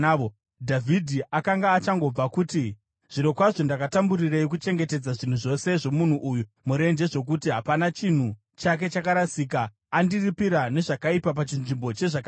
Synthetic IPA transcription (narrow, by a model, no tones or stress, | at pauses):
o | dʱavʱidʱiʔakaŋɡaːt͡ʃaŋɡo̞b͡vakuti | ʐ̥ino̞kwaʐo̞ndakatamburireikut͡ʃe̞ŋɡe̞te̞d͡zaʐin̤uʐo̞se̞ʐo̞mun̤uʔuːju | muɾe̞nd͡ʒe̞ʐo̞k̬utiɦapanat͡ʃin̤u | t͡ʃak̬e̞t͡ʃakaɾasiːkaː | ndiripiɾane̞ʐakaipap̬at͡ʃinʐimbo̞t͡ʃe̞ʐaka